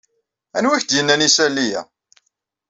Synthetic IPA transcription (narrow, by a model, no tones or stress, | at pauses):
ænwæçd̪jənːænisælːijæ̰